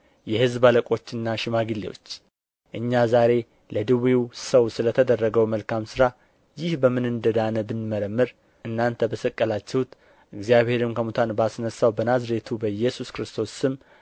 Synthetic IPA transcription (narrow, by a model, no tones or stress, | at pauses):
jɛhɨzbaləkʼo̞t͡ʃːɨnːaʃɪmaɡɨlːewo̞̰t͡ʃː | ʔɨɲːazaɾe̞ | ləd̪ɨwiwsəwsɨlət̪ʰəd̪ərːəɡəwməlkamsɨɾa | jɪhbəmɨnɨnd̪əd̪anəbɨnməɾəmːɨɾ | ɨnːant̪ʰəbəsəkʼːəlat͡ʃːɛhut̪ | ʔɨɡzijaβhe̞ɾɨmkʰəmut̪ʰanbasnəsːawbənazɾe̞t̪ʰubəjɛsuskɾɨst̪ʰo̞sːɨm